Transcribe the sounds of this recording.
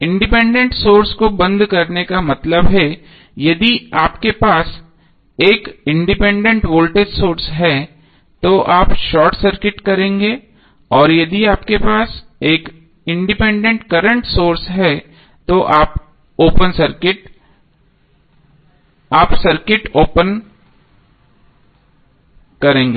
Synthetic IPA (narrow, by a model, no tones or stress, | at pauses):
ɪ̃ɳɖɪpɛ̃ːɳɖẽɳʈsoːɾskobɐ̃nd̪kɐɾnekamɐt̪ləbɦɛ | jɐd̪iaːpkepaːs | eːkɪ̃ɳɖɪpɛ̃ːɳɖẽɳʈʋoːlʈeɖsoːɾsɦɛ | t̪oʔaːpʃɔːɾʈsɐɾkɪʈkɐɾẽːŋɡe | ɔːɾjɐd̪iaːpkepaːseːk | ɪ̃ɳɖɪpɛ̃ːɳɖẽɳʈkɐɾə̃ɳʈsoːɾsɦɛ | t̪oʔaːp | oːpənsɐɾkɪʈ | aːpsɐɾkɪʈoːpən | kɐɾẽːŋɡeː